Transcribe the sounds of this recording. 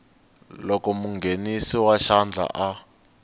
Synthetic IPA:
lɔkɔmuŋɡʱenisiwaʃand͡ɮʱa̰ʔa

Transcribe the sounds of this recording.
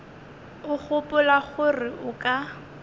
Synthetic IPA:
ʊχʊpʊlaχʊrɪʔʊkʼa

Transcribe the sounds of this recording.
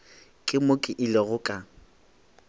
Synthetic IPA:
kʼɪmokʼɪʔɪleɣʊkʼa

